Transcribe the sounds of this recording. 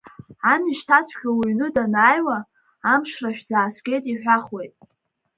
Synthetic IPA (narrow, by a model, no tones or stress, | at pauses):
amiʃtʰat͡sʷʰkʲʰawiɥnɨdanaːjwaː | mʂraʃᶣzaːsɡʲʼe̞jtʼiħᶣʷaχwejtʼ